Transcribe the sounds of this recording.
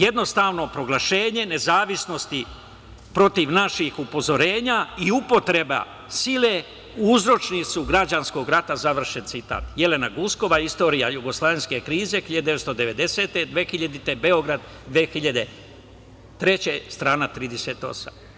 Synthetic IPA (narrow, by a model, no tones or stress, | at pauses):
je̞d̪no̞st̪aʋno̞pɾo̞ɡlˠaʃe̞ːɲe̞ne̞zaːʋisno̞st̪i | pɾo̞t̪iʋnaʃixupo̞zo̞ɾe̞ːɲaiupo̞t̪ɾe̞ba̰ | sile̞ | uuzɾo̞t͡ʃnit̪suɡɾad͡ʑansko̞ɡɾat̪azaʋr̩ʃe̞nt̪sit̪a̰ːt̪je̞le̞naɡusko̞ʋaist̪o̞ːɾija̰juɡo̞slˠaːʋe̞nʲske̞kɾiːze̞xiʎad̪ed̪eetst̪o̞d̪eʋe̞d̪e̞se̞t̪ed̪ʋexiʎad̪it̪e̞be̞o̞ɡɾad̪ | d̪ʋexiʎad̪e̞ | t̪ɾe̞t͡ɕe̞st̪ɾaːnat̪ɾiːd̪ese̞t̪o̞̰sa̰m